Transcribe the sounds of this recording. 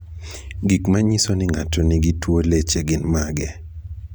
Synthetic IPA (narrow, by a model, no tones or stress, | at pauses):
ɡikmaɲisonɪŋatoniɡitwolet͡ʃeɡɪnmaɡɛ